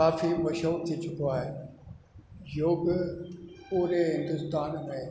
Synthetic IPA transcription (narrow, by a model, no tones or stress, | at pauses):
aːfimɐʃɦuːɾt̪ʰiːt͡ɕʊkoaːɦeː | joːɡ | puːɾeɦɪ̃nd̪ʊst̪aːnmẽ